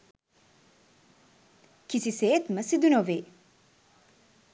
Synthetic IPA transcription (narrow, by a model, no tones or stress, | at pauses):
kisiseːt̪mɐsid̪unoʋeː